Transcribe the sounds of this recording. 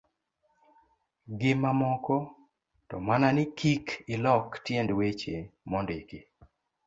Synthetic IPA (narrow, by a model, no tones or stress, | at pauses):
ɡɪmamɔkɔ | tɔmananɪkʰikɪlɔktjɛndwet͡ʃemɔndeke